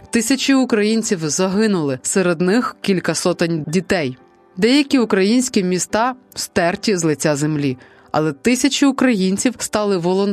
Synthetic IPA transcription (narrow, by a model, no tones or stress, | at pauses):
t̪ɪsʲɐt͡ʃʲiʊkɾɐjinʲt͡sʲiwzɐɦɪnʊlˠɪseɾed̪nɪxkʲilʲkɐsɔt̪ɪnʲdʲit̪ɛj | d̪ɛjɐkʲiʊkɾɐjinʲsʲkʲimʲist̪ɑ̥st̪ɛrtʲizlˠɪt͡sʲːazemlʲi | ɐ̰lˠɛt̪ɪsʲɐt͡ʃiʊkɾɐjinʲt͡sʲiwst̪ɑlˠɪʋɔlˠɔn